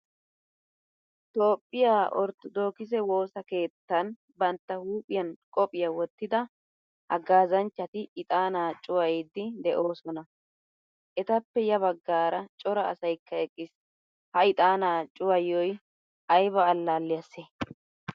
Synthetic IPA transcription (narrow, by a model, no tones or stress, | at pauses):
t̪o̞ːpʼːɪjaːʔɔ̰ɾt̪ɔd̪o̞ːkɪzɛwo̞ːsɐke̞ːt̪ːɐn | bɐnt̪ːɐhuːpʼɪjɐnkʼɔpʼɪjɐwɔt̪ːɪd̪ɐ | hɐ̰ɡaːzɐnt͡ʃːɐt̪ɪɪt̪ʼaːnaːt͡ʃʼʊwɐjɪd̪ːɪd̪ɛʔo̞ːsɔnɐ | ʔɛt̪ɐpːɛjɐβɐɡːaːɾɐt͡ʃʼɔɾɐ̰ːsɐjkʰːɐɛkʼːɪs | hɐɪt̪ʼaːnaːt͡ʃʼʊwɐjɔj | ʔɐjbɐːlːaːlːɪjɐse